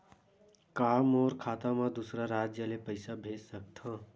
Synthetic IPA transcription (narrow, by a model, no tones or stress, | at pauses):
kaːmɔːɾkʰaːt̪amãd̪usɾaɾaːd͡ʒjəlepəɪsabʱeːd͡ʒsək̚t̪ʰã